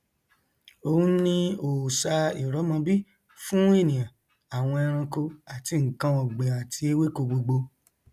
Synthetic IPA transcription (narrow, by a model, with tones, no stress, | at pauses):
o˦nĩ˦o˨sa˧i˨ɾɔ˨˦mã˧bi˦ | fũ˦e˦˨nĩ˨ã˨ | a˨w̃ɔ̃˧ɛ˧ɾ̃ã˧ko˧a˨ti˧ŋ̩˨kã˧ɔ̃˨ɡ͡be˨ã˨tʰi˧e˦we˦ko˧ɡ͡bo˧ɡ͡bo˧